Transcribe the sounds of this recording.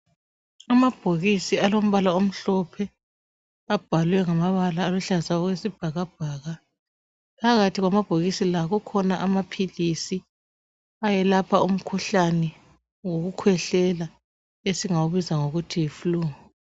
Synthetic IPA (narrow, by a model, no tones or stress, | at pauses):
amab̥ʱoɣisialom̩βalaom̩ɬɔpʰɛ | ab̥ʱalwɛŋamaβalaːluɬazaɔɣwesib̥ʱaɣab̥ʱaːɣa | pʰaɣatʰiɣwamab̥ʱoɣisilaɣukʰɔnaʔamapʰilisi | ajɛlapʰaum̩kʰuɬanɛ | ŋoɣukʰwɛɬɛla | esiŋawuβizaŋoɣutʰijifuluːŋɔ